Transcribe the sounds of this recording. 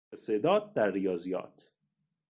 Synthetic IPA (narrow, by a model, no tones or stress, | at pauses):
esed̪ɒːd̪̚d̪æɾːijɒːzijɒ̰ːt̪ʰ